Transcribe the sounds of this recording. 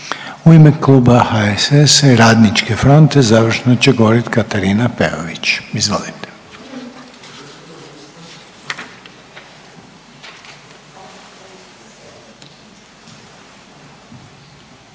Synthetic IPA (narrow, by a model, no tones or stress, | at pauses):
uime̞klˠuːbahaesesɾaːd̪nit͡ʃke̞fɾo̞nt̪ezaʋr̩ʃenot͡ɕeɡooɾit̪kat̪aɾinapḛo̰ʋit͡ɕizʋo̞̰lit̪e̥